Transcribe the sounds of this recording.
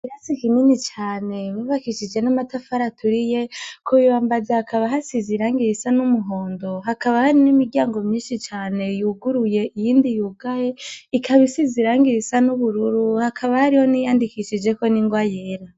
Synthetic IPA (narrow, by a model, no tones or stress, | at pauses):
kiɾasikininit͡ʃaːne̞βuβakiʃid͡ʒe̞namatafaɾatʰuɾije̞kʰojowaːmbazahakaβaɦasiziɾaːŋɡiɾisanumuɦo̞ːndo̞ɦakaβahaɾinimiɾɟjaːŋɡo̞mɲiːʃit͡ʃaːne̞juːɡuɾuje̞ʔijiːndijuːɡajeikʰaβisiziɾaːŋɡiɾisanuβuɾuɾuhakʰaβahaɾiho̞nijaːndikiʃid͡ʒe̞ko̞niŋɡwajeːɾa